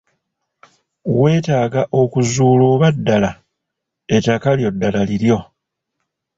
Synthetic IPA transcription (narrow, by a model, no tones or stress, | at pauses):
we̞ːtaːɡaʔo̞kuzuːlo̞ːβadːala | etakaljo̞dːalaliɾjo̞